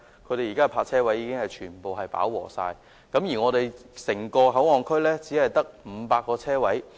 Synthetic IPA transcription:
kʰɵ˨˧jt̪e˨jiː˨˩kaː˥pʰaː˧k̚t͡sʰɛː˥wɐ˨˥jːiː˧kɪ˥ŋhɐ˨jt͡ʃʰyː˨˩npo˨wɦɐ˨jpa̰ː˨˥wwɔ̰ː˨˩sa̰ː˧j | kɐ˨˥mjiː˨˩ŋɔː˨˧t̪e˨jsɪ˨˩ŋkɔː˧ɦɐ˨˥wŋɔː˨˩ŋkʰɵ˥ɥlɛː˥t͡siː˨˥hɐ˨jt̪ɐ˥k̚m̩˨˧˦paː˧kːɔː˧t͡sʰɛː˥wɐ˨˥j

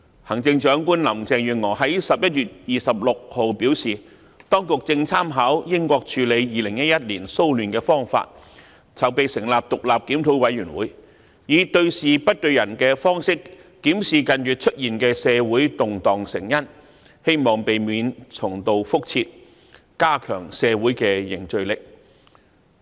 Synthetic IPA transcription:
hɐ˨˩ŋt͡sɪ˧ŋt͡ʃœː˨˥ŋkuː˥nlɐ˨˩mt͡sɛː˨˧ŋjyː˨˩nŋɔː˨˩ɦɐ˨˥jsɐ˨p̚jɐ˥t̚ɥyː˨t̚jiː˨˩sɐ˨p̚lʊ˨k̚ho˨wpiː˨˥wsiː˨˩ | t̪ɔː˥ŋkʊ˨k̚t͡sɪ˧ŋt͡sʰaː˥mɦaː˨˥wjɪ˥ŋkʷɔː˧k̚t͡ʃʰyː˨˧le˨˧jjiː˨˧lɪ˨˩ŋjɐ˥t̚jɐ˥t̚liː˨˩nso˥wlyː˨˩nkɛː˧fɔː˥ŋfa̰ː˧t̚ | t͡sɐ˨˩wpe˨jsɪ˨˩ŋlaː˨p̚t̪ʊ˨k̚laː˨p̚kiː˨˥mt̪ʰo˨˥wwɐ˨˥jyː˨˩nwṵː˨˥j | jiː˨˥t̪ɵ˧ɥsiː˨pɐ˥t̚t̪ɵ˧ɥjɐ˨˩nkɛː˧fɔː˥ŋsɪ˥kː | iː˨˥msiː˨kɐ˨˧njyː˨˩t̚t͡ʃʰɵ˥t̚jiː˨˩nkɛː˧sɛː˨˧wuː˨˥jt̪ʊ˨ŋt̪ɔː˨ŋsɪ˨˩ŋjɐ˥n | he˥jmɔː˨˩ŋpe˨jmiː˨˧nt͡sʰʊ˨˩ŋt̪o˨˧wfʊ˥k̚t͡sʰiː˧t̚ | kaː˥kʰœː˨˩ŋsɛː˨˧wuː˨˥jkɛː˧jɪ˨˩ŋt͡ʃɵ˧ɥlɪ˨k̚

